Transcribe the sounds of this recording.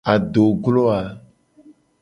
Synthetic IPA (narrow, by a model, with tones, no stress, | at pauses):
a˨ɖo˨ɡlo˦a˨